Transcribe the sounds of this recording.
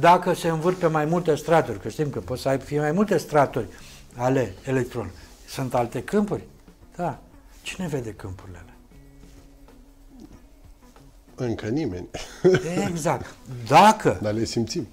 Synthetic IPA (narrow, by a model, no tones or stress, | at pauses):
d̪akəse̞ɨnvɨrpe̞majmult̪e̞st̪ɾat̪urʲkəʃt̪imkəpo̞t̪səajbfijemajmult̪e̞st̪ɾat̪urʲale̞ːlek̚t̪ɾo̞̰nsɨnt̪alt̪e̞kɨmpurʲ | d̪̥at͡ʃi̥ne̞ve̞d̪e̞kɨmpurilele | ɨŋkənimḛnʲeɡzak̚t̪d̪akəd̪alesimpt̪sim